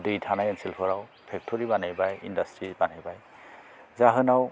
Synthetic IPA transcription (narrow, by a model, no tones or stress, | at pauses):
dɯjtʰanajɛnsilpʰɔɾaw | pʰɛk̚tʰɔɹibanajbajḭndastʰɹibanajbaj | zaɦɯnaw